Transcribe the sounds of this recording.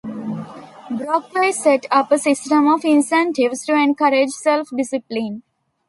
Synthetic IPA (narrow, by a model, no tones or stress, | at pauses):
bɾɔːk̚paiseʈʌpəsɪsʈə̃mɔfɪ̃nsɛ̃ɳʈɪʋsʈuẽnkʌɾed͡ʒselfɖɪsɪplĩn